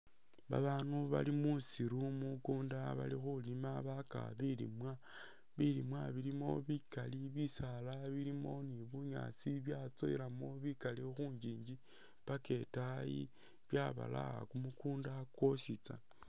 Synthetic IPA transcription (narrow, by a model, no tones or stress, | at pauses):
βa̰βaːnuβa̰limusiɾumukuːndaβa̰lixulimaβaka̰βilḭmwa | βilimwaβilimo̞̰βikaliβisalaβilimo̞niβuɲa̰t͡siβjat͡so̞̰ilamo̞βikalixuːɲd͡ʒiːɲd͡ʒi | pake̞tajḭ | βjaβa̰la̰a̰kumukuːndakwo̞ʃit͡sa̰